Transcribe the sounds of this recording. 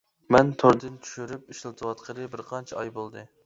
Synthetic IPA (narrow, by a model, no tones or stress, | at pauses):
mɛnt̪ʰoɾd̪ɨnt͡ʃ̪ʰy̥ʃyɾyp̚iʃlˠt̪ʰɨwɑt̪qʰəɾɨbɪɾqʰɑnt͡ʃʰɛɑjbolˠd̪ɨ